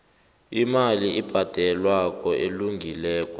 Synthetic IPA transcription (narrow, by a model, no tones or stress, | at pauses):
imaliib̥ʱad̥ʱɛlwak̬ʼɔʔeluŋɡʱilɛːk̬ʼɔ̥